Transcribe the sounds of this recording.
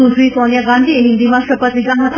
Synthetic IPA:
usɾikɔnijaɡand̪ʱieɦind̪imaʃɔpat̪id͡ʑaɦat̪

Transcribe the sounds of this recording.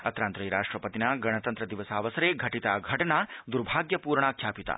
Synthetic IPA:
ɐt̪ɾaːnt̪ɾɐjɾaːʂʈɾɐpɐt̪inaɡɐɽ̃ɐt̪ɐnt̪ɾɐd̪iʋɐsaːʋɐsɐɾeɡʱɐʈit̪aːɡʱɐʈɐnad̪uɾbʱaːɡjɐpuːɾɳakʰjaːpit̪a̰ː

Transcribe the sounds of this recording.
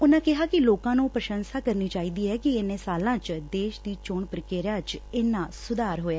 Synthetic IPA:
ʊnãːkɪɦaːkɪloːkãːnũːpɾəʃənsaːkəɾniːt͡ʃaːiːd̪iːɦɛːkɪɪnẽːsaːlãːt͡ʃd̪eːʃd̪iːt͡ʃoːɳpɾəkeːɾãːt͡ʃɪnːãːsʊd̪aːɾɦoːjaː

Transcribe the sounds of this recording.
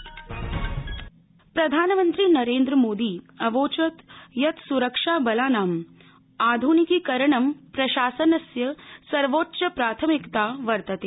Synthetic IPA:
pɾɐd̪ʱaːnɐmɐ̃nt̪ɾiːnɐɾeːnd̪ɾɐmoːd̪iː | ɐʋoːt͡ʃɐt̪jɐt̪suɾɐkʂaːbɐlaːnaːm | aːd̪ʱunikikɐɾɐɳɐmpɾɐʃaːsɐnɐsjɐsɐɾʋoːtːʃɐpɾaːt̪ʰɐmikt̪aːʋɐɾt̪ɐt̪e

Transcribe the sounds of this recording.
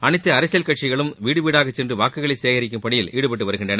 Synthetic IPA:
ɐnɪt̪ːɐɐɾɐsjɐlkɐʈt͡ʃɪɣɐɭɯmʋiːɽɯʋiːɽaːɣɐt͡ʃːsɛndrɯʋaːkɯɣɐɭɐɪseːɣɐɾɪk̬ʲːɯmpɐɳɪjɪliːɽɯpɐʈ̬ːɯʋɐɾɯɣɪndrɐnɐ

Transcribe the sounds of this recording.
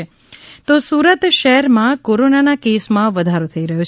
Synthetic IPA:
e | t̪osuːɾət̪ʃəɦɛɾmãkoɾonanakesmãʋəd̪ʱaɾot̪ʰəiɾəɦjut͡ʃʰ

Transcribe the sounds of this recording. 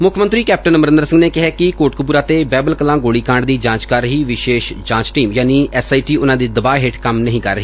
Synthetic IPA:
mʊkʰmənt̪ɾiːkɛːp̚ʈənməɾɪ̃nd̪əɾsə̃ŋɡneːkɪɦɛːkɪkoːʈkəp̬uːɾaːt̪eːbɛːbəlkəlãːɡoːɽiːkãːɳɖd̪iːd͡ʒãːt͡ʃkəɾːəɦiːʋɪʃeːʃd͡ʒãːt͡ʃʈiːmjaːniːɛːsaːiːʈiːʊnãːd̪eːd̪əbaːeɦɪʈkəmnəɦĩːkəɾːəɦiː

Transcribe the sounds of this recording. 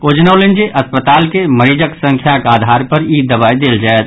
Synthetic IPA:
oːd͡ʒnaʊlɪ̃nd͡ʒeʔɐspət̪aːlkeməɾiːd͡ʒəksə̃ŋkʰjakaːd̪ʱaːɾpəɾiːd̪ːəβaːid̪eːld͡ʒaːet̪̚

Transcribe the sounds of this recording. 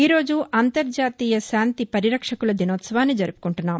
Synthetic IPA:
iːɾo̞ːd͡ʒuʔant̪ɐɾd͡ʒaːt̪iːjɐsaːnt̪ipɐɾiɾɐkʂɐkulɐd̪inoːt̪sɐʋaːnːid͡ʒɐɾupu̥kuɳʈunːaːm

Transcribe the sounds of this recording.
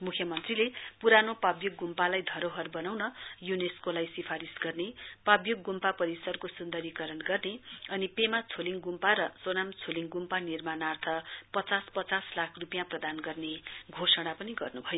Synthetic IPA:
mukʰjʌmʌnt̪rilepuɾanopabjoɡːumpalajd̪ʱʌɾoɦʌrbʌnawnʌjuneskolajsipʰaɾisɡʌrnepabjoɡːumpapʌɾisʌrkosund̪ʌɾikʌɾʌnɡʌrneʌnipemat͡sʰoliŋɡumpaɾʌsonamt͡sʰoliŋɡumpanirmanart̪ʰʌpʌt͡saspʌt͡saslakʰrupjãprʌd̪anɡʌrneɡʱosʌɽ̃apʌniɡʌrnubʱʌjo

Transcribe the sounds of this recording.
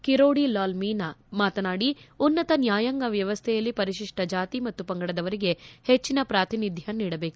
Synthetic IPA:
kiɾoːɽilaːlmiːnamaːt̪ɐnaːɽiunːɐt̪ɐnjaːjɐŋɡɐʋjɐʋɐst̪ʰɛjɐlːipɐɾiʃiʂʈɐd͡ʒaːt̪imɐt̪ːupɐŋɡɐɽɐd̪ɐʋɐɾiɡe̞het͡ʃːinɐpɾaːt̪inid̪ʱjɐniːɽɐbe̞ːku

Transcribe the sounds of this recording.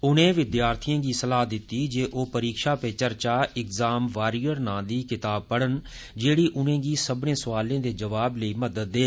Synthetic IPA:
ʊnẽːʋɪd̪jaːɾt̪ʰijãːɡiːsəlaːd̪ɪt̪ːiːd͡ʒeːʔoːpəɾiːkʃaːpeːt͡ʃəɾt͡ʃaːɪkzaːmʋaːɾijəɾnãːd̪iːkɪt̪aːb̚pəɽən | d͡ʒeːɽiːʔʊnẽːɡiːsəbnẽːsəʋaːlẽːd̪eːd͡ʒəʋaːbləiːməd̪əd̪ːeː

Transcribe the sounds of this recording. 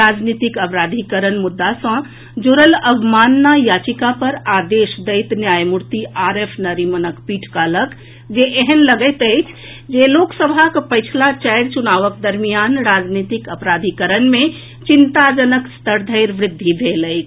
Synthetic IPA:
ɾad͡ʒnit̪ikəpɾad̪ʱikəɾənmud̪ːasə̃ | d͡ʒoɾələbʱmaːnːajat͡ʃikapəɾad̪eʃd̪əɪt̪njajmuɾt̪iʔaɾepʰnəɾimənəkpiʈʰkalək | d͡ʒeʔeɦənləɡət̪əɪt͡ʃʰ | d͡ʒeloksəbʱakpəɪt͡ʃʰlat͡ʃɛɪɾt͡ʃunaːʋəkd̪əɾmijanɾad͡ʒnit̪ikəpɾad̪ʱikəɾənmẽ | t͡ʃint̪ad͡ʒənəkst̪əɾd̪ʱəɪɾʋɾɪd̪ʱːibʱeləɪt͡ʃʰ

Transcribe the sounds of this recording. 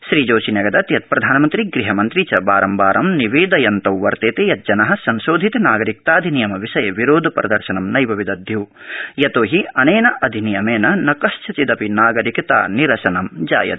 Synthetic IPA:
ʃɾiːd͡ʒoːʃinɐɡɐd̪ɐt̪jɐt̪̚pɾɐd̪ʱaːnɐmɐnt̪ɾiɡɾiɦɐmɐnt̪ɾit͡ʃɐbaːɾɐmbaːɾɐmniʋeːd̪ɐjɐnt̪ɐwʋɐɾt̪eːt̪ejɐt̪̚d͡ʒɐnɐɦɐ̆sɐnʃoːd̪ʱit̪ɐnaːɡɐɾik̚t̪aːd̪ʱinijɐmɐʋiʃɐjɐʋiɾoːd̪ʱɐpɐɾɐ̰d̪ɐɾʃɐnɐmnɐjbʱɐʋid̪ɐd̪ʱjuːjɐt̪oːɦiɐneːnɐʔɐd̪ʱinijɐmeːnɐnɐkɐʃt͡ʃʰɐt͡ʃid̪ɐpinaːɡɐɾikɐt̪a̰ːniɾɐʃɐnɐmd͡ʒa̰ːjɐ̰t̪

